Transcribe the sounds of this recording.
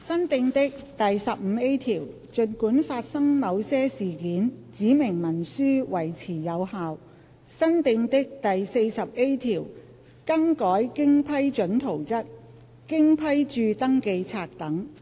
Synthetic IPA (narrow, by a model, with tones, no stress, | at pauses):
sɐ˥nt̪ɪ˧ŋt̪ɪ˥k̚t̪ɐ˨jsɐ˨p̚m̩˨˧˦e˥jt̪ʰiː˨˩w | t͡ʃɵ˨˧nkuː˨˥nfaː˧t̚sɐ˥ŋmɐ˨˧wsɛː˥siː˨˩kiː˨˥nt͡siː˨˥mɪ˨˩ŋmɐ˨˩nsyː˥wɐ˨˩jt͡sʰiː˨˩jɐ˨˧whaː˨w | sɐ˥nt̪ɪ˧ŋt̪ɪ˥k̚t̪ɐ˨jse˧jsɐ˨p̚e˥jt̪ʰiː˨˩w | kɐ˥ŋkɔː˨˥jkɪ˥ŋpʰɐ˥jt͡ʃɵ˨˥nt̪ʰo˨˩wt͡sɐ˥t̚ | kɪ˥ŋpʰɐ˥jt͡ʃyː˧t̪ɐ˥ŋke˧jt͡sʰaː˧k̚t̪ɐ˨˥ŋ